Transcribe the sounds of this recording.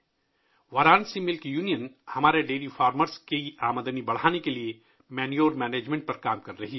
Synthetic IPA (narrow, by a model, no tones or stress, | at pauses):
ʋɐɾaːnsimɪlkjuːnijənhɐmaːɾeɖeːlifʰaːɾməɾskeiaːməd̪ənibɐɽ̤aːnekelie | mɛːnijoːɾmɛːneːd͡ʒmẽɳʈ̚pɐɾkaːmkɐɾːɐɦi